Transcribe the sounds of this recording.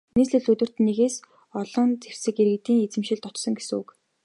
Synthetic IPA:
neːsɮɘ̆ɮɵt̪wɵ̆r̥t̪nːeɣeːs | ɔɮɞ̆nt͡ser̥sɘ̆keɾɣɘ̆t̪iːŋet͡sɘ̆mʃɪ̆ɮt̪ɔt̪sɞ̆ŋɡes̆ŋṵk

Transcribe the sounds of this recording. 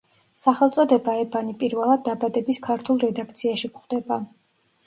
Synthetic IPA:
saχɛlˠt̪sʼɔd̪ɛbaɛbanipʼiɾvɛlˠad̪̚ːabad̪ɛbiskʰaɾt̪ʰulˠɾɛd̪akʰt̪sʰiaʃikχwd̪̥ɛba

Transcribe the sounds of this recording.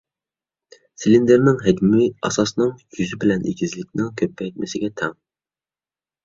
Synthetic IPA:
silind̪eɾnɪŋɦɛɡʲmɪɑsɑsnɨŋjyzɪbɪlɛnʔḛɡʲizlɪk̚ʲnɪŋkʲʰøpʰːɛjt̪̚mɪsɪɡʲɛt̪ʰɛŋ

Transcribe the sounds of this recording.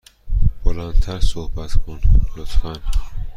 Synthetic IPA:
b̥olænt̪ʰæɾsohbæt̪kʰonlot̪hæn

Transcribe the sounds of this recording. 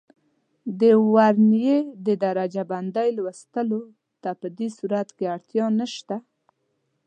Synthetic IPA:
d̪əwaɾnjed̪əd̪aɾad͡ʒaband̪ajlwəst̪əlo | t̪apəd̪esuɾat̪keaɽt̪jɑnəʃt̪a

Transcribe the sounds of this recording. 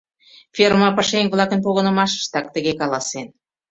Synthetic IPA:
fʲermɑpəʃeŋʲvlˠɑkənp̬oɣə̆nə̆mɑʃə̥ʃt̪ɑk̚t̪ə̆ɣekɑlɑsen

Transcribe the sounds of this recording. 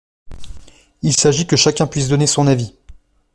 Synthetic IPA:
ilsaʒikəʃakʲɛ̃pɥis̬d̪ɔnesɔ̃navi

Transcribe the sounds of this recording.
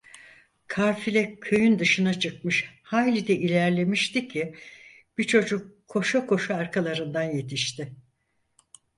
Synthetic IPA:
kʰaːfilʲɛcʰøjynd̪ɯʃɯnat͡ʃʰɯkmɯʃhaːjlʲid̪ɛʔilʲæɾlʲe̞miʃt̪icʰi | b̥it͡ʃʰo̞d͡ʒukʰːo̞ʃakʰo̞ʃaaɾkʰalˠaɾɯnd̪anje̞t̪ʰiʃt̪ɪ

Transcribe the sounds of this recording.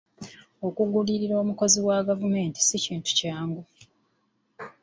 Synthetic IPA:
o̞kuɡuliɾiɾo̞ːmuko̞ziwaɡavume̞ːnti̥siciːntu̥caːŋɡu

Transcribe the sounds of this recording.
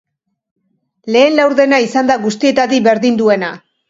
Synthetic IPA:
le̞ːnlawɾðe̞naisand̪aɣust̪ie̞t̪aðiβe̞ɾðind̪ue̞na

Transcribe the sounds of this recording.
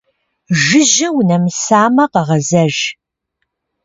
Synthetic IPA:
ʒɨʑɪwnɐmsaːmɐqɐʁɐzɐʒ

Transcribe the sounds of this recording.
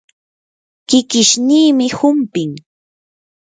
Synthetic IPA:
kɪkɪʃniːmɪhʊmpɪŋ

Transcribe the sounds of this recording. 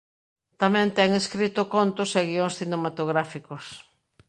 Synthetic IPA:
t̪amɛ̃nt̪ɛŋeskɾit̪ʊkont̪ʊseɣioŋsθinemat̪oɣɾafikos

